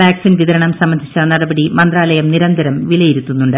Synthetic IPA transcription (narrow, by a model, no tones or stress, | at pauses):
ʋaːksiːnʋiðɐɾɐɳɐmsɐmːɐnd̪ʱit͡ɕːɐnɐɽɐbɐɽimɐnd̪raːlɐjɐmniɾɐnd̪ʱɐɾɐmʋilɐjiɾut̪ːunːuɳɖɨ